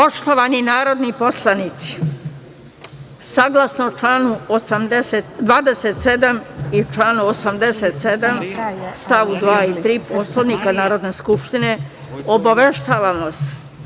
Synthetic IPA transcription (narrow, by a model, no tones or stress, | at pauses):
o̞ʂt̪oʋaninaːɾo̞d̪niposlˠanit̪si̥ | saɡlasnot͡ʃlaːnuosamd̪eset̪d̪ʋaːd̪eset̪se̞d̪amit͡ʃlaːnuosamd̪e̞set̪sed̪amst̪aʋud̪ʋaːit̪ɾiːposlanikanaːɾo̞d̪ne̞ːskupʃt̪ine̞ | obaʋe̞ʃt̪aːʋamose̥